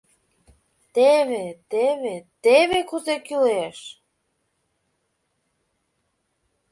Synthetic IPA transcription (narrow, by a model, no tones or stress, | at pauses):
t̪eβet̪eβet̪eβekuzekyleʃ